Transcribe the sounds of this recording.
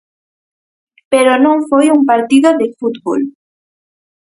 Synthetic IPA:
peɾonõŋfojuŋpaɾt̪iðoðefut̪βo̰l

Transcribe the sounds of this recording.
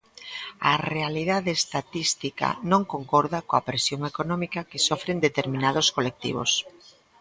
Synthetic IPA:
ɐ̰realiðaðeːst̪at̪ist̪ika̰nõŋkoŋkɔɾðakoapɾesjoŋekonɔmikakesɔfɾend̪et̪eɾmĩnað̞oskolek̚t̪ḭβ̞o̰s

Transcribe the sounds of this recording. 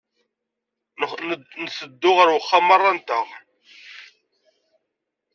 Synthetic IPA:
nəsəd̪ːʊʁəɾwəχːamɑrˤːɑnt̪əʁ

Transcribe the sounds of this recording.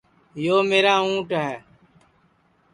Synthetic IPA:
joːmeːɾaːũːʈɦɛː

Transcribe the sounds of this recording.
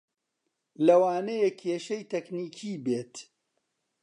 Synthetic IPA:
lɐwaːnejekʰːeːʃɐjt̪ɛkniːkʰiːbeːt̪

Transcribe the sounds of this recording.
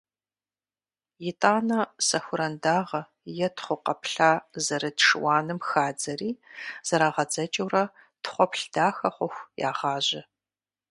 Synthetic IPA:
jɪtʼaːnɐsɐxʷʊɾɐndaːʁɐ | jɛtʰχʷʊqɐpʰɬaːzɐɾɨtʂɨwɑːnɨmxaːd͡zɐriːz̥ɐɾaːʁɐd͡zɐt͡ʃʼɐwrɐ | tχʷɔpɬd̥aːxɐχʷɔxʷja̰ːʁɑːʑɪ

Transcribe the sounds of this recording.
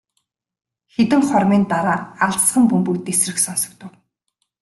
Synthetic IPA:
xet̪ɘ̆ŋχɔrmiːnt̪aɾaːaɮsχə̆mpumpujt̪esrɘ̆ksɔnsɞ̥̆k̚t̪ə̆w

